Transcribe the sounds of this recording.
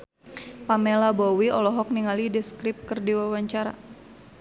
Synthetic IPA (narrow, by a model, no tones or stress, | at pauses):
pamelabɔwiɔlɔɦɔk̚niŋalidɛskɾɪp̚kɨrdiwawaɲt͡ʃaɾa̰